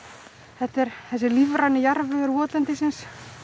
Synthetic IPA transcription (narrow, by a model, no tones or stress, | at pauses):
θɛht̪ɛɾ̥θɛs̬ːɪlivɾanːɪjaɾvʏɛɾvɔːt̪lɛnt̪ɪsɪns